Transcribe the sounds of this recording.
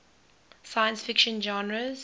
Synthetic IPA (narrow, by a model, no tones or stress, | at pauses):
saɪə̃nsfɪkʃə̃nd͡ʒɑ̃nɹəz̥